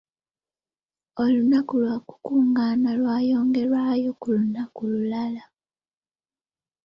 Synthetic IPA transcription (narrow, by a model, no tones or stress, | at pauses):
o̞lunakulwaku̥kuːŋɡaːnalwaːjoːŋɡe̞ɾwaːjo̞kulunakululala